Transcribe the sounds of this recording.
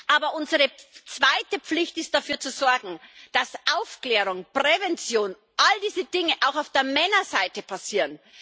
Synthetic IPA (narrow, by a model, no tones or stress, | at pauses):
ʔaːbɐʔʊnzəʁət͡sv̥aɪtəp͡flɪçtɪst̚d̥afyːɐt͡suzɔɐɡŋ̩d̥asʔaʊfklɛːʁ̞ʊŋpʁ̥ɛvɛnt͡sjoːn | ʔaldiːzədɪŋəʔaʊxaʊfd̥eːɐmɛnɐzaɪtəpʰasiːʁən